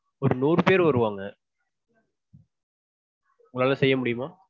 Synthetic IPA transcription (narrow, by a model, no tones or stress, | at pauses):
ɔɾɯnuːɾpeːɾʋɐɾɯʋaːŋɡɐ | ʊŋlaːlɐsɛjːɐmʊɽɪjɯmaː